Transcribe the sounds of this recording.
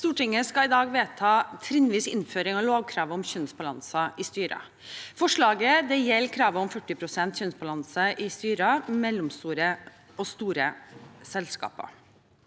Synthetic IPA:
st̪uːʈɪŋːəskɑɪd̪ɑːɡʋeːt̪ʰɑːt̪ʰɾɪnʋiːsɪ̰nːføːɾɪŋɑʋloːɡ̚kʰɾɑːʋɔmçœnsbɑlɑ̰nsɑʔɪst̪yːɾɑ̰ | fɔʂɭɑːɡəd̪ɛjɛlːkʰɾɑːʋəɔmfœʈːɪpʰɾʊsɛnt̪çœnsbɑlɑnsəʔɪst̪yːɾɑmɛlɔmst̪uːɾə | ɔst̪uːɾə̰sɛlskɑ̰ːpɑ̰

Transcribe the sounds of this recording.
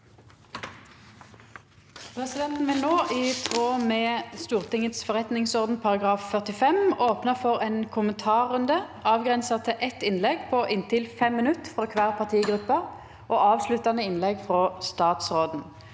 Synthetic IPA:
pʰʁɛsɪd̪ɛnt̪n̩ʋɪlnoːʔɪt̪ʰʁoːmeːst̪uːʁt̪ɪŋət̪sfɔʁɛt̪nɪŋsɔʁd̪n̩pʰɑʁɑɡʁɑːffœʁt̪ɪfɛmoːpnəfɔʁeːnkʰʊmənt̪ʰɑːʁʉnd̪əɑːʋɡʁɛnsɑt̪ʰɪʔɛt̪ɪnlɛɡpʰɔʔɪnt̪ɪlfɛmːɪnʉt̪fʁɔːkʰʋæːʁpʰɑʁt̪ʰiːɡʁʉpːəʁ | ʔoːɑːʋslʉt̪ːɑnəɪnlɛɡfʁost̪ɑːt̪sʁoːd̪n̩

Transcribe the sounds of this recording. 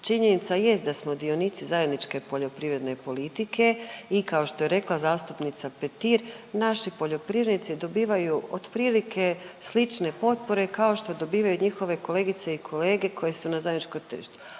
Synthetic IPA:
t͡ʃiɲenit̪saje̞st̪d̪asmod̪io̞nit̪sizaje̞d̪nit͡ʃke̞po̞ʎo̞pɾiʋɾe̞d̪ne̞po̞lit̪ikʰe̞ikao̞ʃt̪o̞je̞ɾe̞klˠazaːst̪upnit̪sapet̪iɾ | naʃipo̞ʎo̞pɾiːʋɾednit̪sid̪o̞biːʋajuod̪pɾiːlikʰe̞slit͡ʃne̞po̞t̪̚po̞ɾe̞kao̞ʃt̪o̞d̪o̞biːʋajuɲixo̞ʋe̞ko̞le̞ːɡit̪se̞ikʰo̞le̞ːɡe̞kʰo̞je̞sunazajd̪nit͡ʃkomt̪r̩ʃt̪u̥

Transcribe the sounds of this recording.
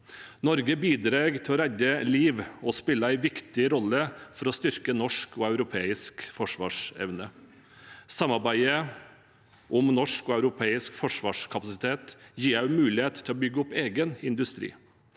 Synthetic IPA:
nɔɾɡəbiːd̪ɾɑːɡt̪ʰɪlɔːɾæd̪əliːʋɔspɪlːəæɪʋɪkt̪ɪɾɔlːəfɔɾɔst̪ʏɾkənɔʂkʰoːɑʉɾʊpʰeːɪskfɔʂʋɑ̰ːʂɛ̰ʋnə | sɑmːɑɾbæɪə | ʔɔmnɔʂkoːɑʉɾʊpʰeːɪskfɔʂʋɑːʂkʰɑpɑsɪt̪ʰeːt̪jiːɾæʉmʉːlɪeːt̪t̪ʰɪlɔːbʏɡːəʊpeːɡənɪnd̪ʉst̪ɾḭː

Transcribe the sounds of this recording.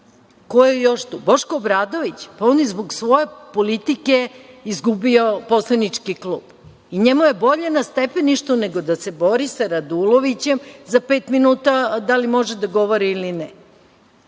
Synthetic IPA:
ko̞jejoʃt̪uːbo̞ʃkoːbɾaːd̪o̞ʋit͡ɕpaoːnjezboɡsʋo̞je̞polit̪ikeizɡubio̞po̞slˠanit͡ʂkiklˠuːb̥ | iɲemuje̞bo̞ʎenast̪epeniʃt̪uneɡod̪ase̞bo̞ɾisaɾad̪ulˠoʋit͡ɕe̞mzapeːt̪minuːt̪ad̪alimo̞ʒed̪aɡo̞ʋo̞ɾiːlinɛ

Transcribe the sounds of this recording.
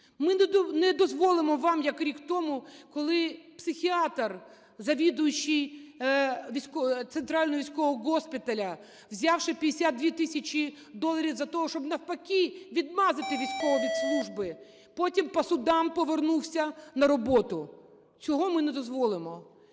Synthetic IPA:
mɪnnɛd̪ɔzʋɔlˠɪmɔʋɑmjɐkɾʲikt̪ɔmʊkɔlˠɪpsɪxʲiɑt̪r | zɐʋʲid̪ʊjʊt͡ʃːij | ʋʲisʲkɔt̪sent̪ɾɑlʲnɔɦɔʋʲijsʲkɔɦɔɡɔspʲɪt̪ɐlʲɐ | wzʲɑwʃɪpʲid̪esʲad̪̚d̪ʲʋʲit̪ɪsʲɐt͡ʃi | d̪ɔlˠɐɾʲiwzɐt̪ɔɦɔʃt͡ʃɔbnɐwpɐkʲiʋʲid̪̚mɑzɪt̪ɪʋʲijsʲkɔʋɔʋʲid̪slˠuʒbɪ | pɔtʲimpɔsʊd̪ɑmpɔʋernuwsʲɐnɐɾɔbɔt̪ʊ | t͡sʲɔɦɔmɪnɛd̪ɔzʋɔlˠɪmɔ

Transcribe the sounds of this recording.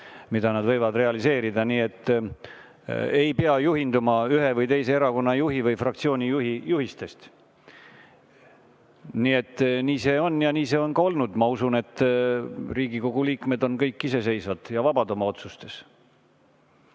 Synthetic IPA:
mid̪̥ɑnɑd̪vɤjvɑd̪re̞ɑlise̞ːɾid̪ɑniːe̞t̪ːˑ | e̞jpeɑjuɦind̪umɑyɦe̞vɤjt̪e̞jse̞eɾɑko̞nːɑjuɦivɤjfrɑkt̪sio̞ːnʲijuɦijuɦist̪e̞st̪ | niːe̞t̪ːˑniːse̞ːo̞nːjɑniːse̞o̞nkɑo̞lnud̪̥mɑusune̞t̪ː | riːɡiko̞ɡ̥uliːkme̞d̪o̞nkɤjkːise̞se̞jsvɑd̪̥jɑvɑbɑd̪o̞mɑo̞t̪sust̪e̞s

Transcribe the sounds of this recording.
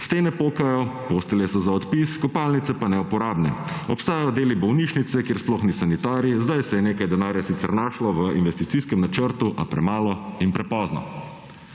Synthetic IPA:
st̪eːnɛpoːkajɔpoːst̪ɛlɛsɔzaɔt̪piskɔpalnit̪sɛpanɛupɔɾaːbnɛɔpst̪aːjajɔd̪eːlibɔwniʃnit̪sɛkjeːɾsplɔxnisanit̪aːɾjizd̪ajsɛjɛneːkajd̪ɛnaːɾjasit̪sɛ̰ɾnaːʃlɔʋəinʋɛst̪it̪siskɛmnat͡ʃəɾt̪uʔa̰pɾɛmaːlɔinpɾɛpɔznɔ̰

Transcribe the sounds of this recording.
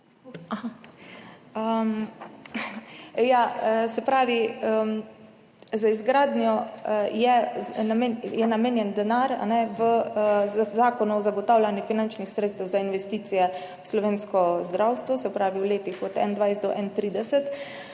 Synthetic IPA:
aha | əm | jaəsɛpɾaːʋiəm | zaizɡɾaːd̪njɔjɛamjɛnameːnjɛnd̪ɛnaɾa̰nɛʋə | zaːkɔnuɔzaɡɔt̪aːwlʲanjifinant͡ʃnixsɾeːt̪st̪ɛwzainʋɛst̪iːt̪sijɛ | wslɔʋeːnskɔzd̪ɾawst̪ʋɔsɛpɾaːʋiwleːt̪ixɔt̪ɛ̰nd̪ʋajst̪d̪ɔʔɛnt̪ɾiːd̪ɛsɛt̪

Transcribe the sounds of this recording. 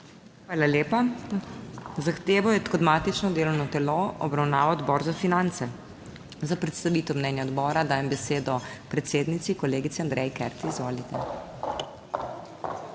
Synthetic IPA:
xʋaːlaleːpa | zaxt̪eːʋɔjɛt̪kɔd̪maːt̪it͡ʃnɔd̪eːlɔwnɔt̪ɛloɔ̰bɾawnaːʋaɔd̪bɔːɾzafinant̪sɛ | zapɾɛt̪st̪aʋiːt̪ɛwmnɛnjaɔd̪bɔːɾad̪aːjɛmbɛseːd̪ɔpɾɛt̪seːd̪nit̪sikɔleːɡit̪sɛand̪ɾɛjkɛɾt̪iizʋoːlit̪ɛ

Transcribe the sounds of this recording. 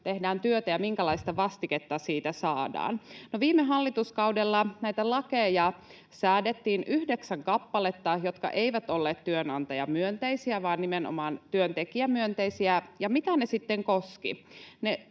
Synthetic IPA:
t̪ehdæːnt̪yøt̪æjɑmiŋkælɑist̪ɑʋɑst̪iket̪ːɑsiːt̪æsɑːdɑ̰ːnnoʋiːmeɦɑlːit̪uskɑudelːɑnæit̪ælɑkejɑ | sæːdet̪ːiːnyhdeksæŋkɑpːɑlet̪ːɑjot̪kɑ̰ʔe̞iʋæt̪olːeːt̪t̪yønɑnt̪ɑjɑmyønt̪eisiæʋɑːnnimenʔo̰mɑːnt̪yønt̪ekiæmyønt̪eisiæjɑmit̪ænesit̪ːeŋkoskḭne

